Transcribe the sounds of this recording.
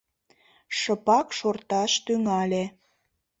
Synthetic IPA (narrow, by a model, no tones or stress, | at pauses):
ʃəpɑkʃort̪ɑʃt̪yŋɑlʲe